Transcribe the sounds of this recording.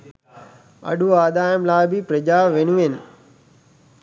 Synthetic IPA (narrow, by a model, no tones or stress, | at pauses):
ɐ̰ɗuaːd̪aːɪmlaːɪbipɾɐd͡ʑaːʋeɲũːɦenɪ̆